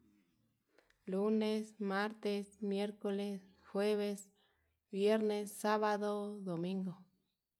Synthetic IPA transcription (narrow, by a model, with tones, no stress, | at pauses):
lu˦nesmaɾt̪esmje˦ɾko˧le˧s | xwe˦βe˧s | bje˦ɾnesːa˦βaðo˦d̪o˨mĩ˦ŋɡo˨